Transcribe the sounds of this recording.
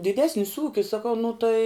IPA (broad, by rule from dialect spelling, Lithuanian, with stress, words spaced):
dʲɪˈdʲæːsʲnʲɪs ˈuːkʲɪs sɐˈkɐʊ nʊ tɐɪ